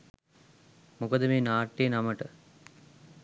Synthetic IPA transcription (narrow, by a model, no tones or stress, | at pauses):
mukəd̪əmeːnaːʈːeːnaməʈə